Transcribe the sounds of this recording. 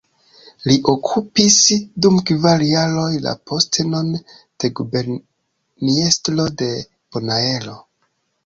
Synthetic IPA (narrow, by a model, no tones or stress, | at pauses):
liʔo̞kʰupisdumkvaljalo̞jla̰pʰostnon | d̥e̞ɡubeɾ | niestlo̞de̞ | ponae̞lo̞